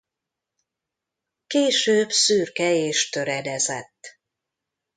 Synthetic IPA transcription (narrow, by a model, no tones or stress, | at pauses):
keːʃøːbsyːrkɛeːʃt̪ø̞ɾɛd̪ɛzɛt̪ː